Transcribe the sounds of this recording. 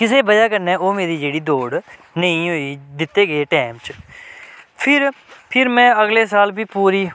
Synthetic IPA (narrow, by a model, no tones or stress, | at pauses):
kɪseːbəd͡ʒaːkəɾnɛ̃ːoːmeːɾiːd͡ʒeːɽiːd̪oːɽ | nəĩːɦoːiːd̪ɪt̪ːeːɡəeːʈɛːmt͡ʃ | pʰɪɾpʰɪɾmɛ̃ːəɡleːsaːlbʱiːpuːɾiː